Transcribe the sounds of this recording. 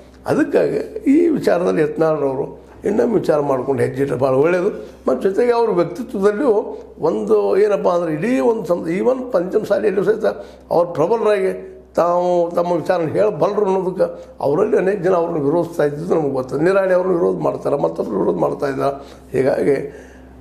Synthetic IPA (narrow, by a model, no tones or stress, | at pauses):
ɐ̰d̪ɐkːa̰ːɡḭiːʋit͡ʃaːɾɐd̪ɐlːiɛt̪naːɭɐɾɐʋɾu | inːɐmʋit͡ʃaːɾɐmaːɽkoɳɖɦed͡ʒiʈɐbaːɭɐeɭːed̪umɐt̪ːd͡ʒɔt̪eɡeɐʋɐɾuʋjɐk̚t̪it̪ʋɐd̪ɐlːijoond̪ueːnɐp̬ːaːnd̪ɐɾeiliond̪usɐmd̪iːʋɐnːupɐɲt͡ʃɐmsaːliɐlːisɐt̪ːɐ | ɐ̰ʋɐɾpɾɐbɐlɐɾaːɡe | t̪aːʋut̪ɐmːɐʋit͡ʃaːɾɐnːɦeːɭbɐlɾunːoːd̪uk̬ːɐ | ɐ̰ʋɐɾɐlːiɐne̞ːkɐd͡ʒɐnɐɐʋɐɾnuʋiɾod̪st̪aːjid̪id̪unɐmɐɡeɡot̪ːaːd̪niɾaːɳiɐʋɐɾnuʋiɾoːd̪ma̰ːɽt̪aːɾɐmɐt̪ːɐbɾuʋiɾoːd̪maːɽt̪aːjd̪aɾɐ | hɛ̰ːɡa̰ːɡe